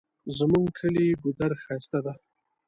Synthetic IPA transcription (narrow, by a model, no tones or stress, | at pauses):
zmuŋɡkʰəlibʊd̪aɾxajst̪ad̪a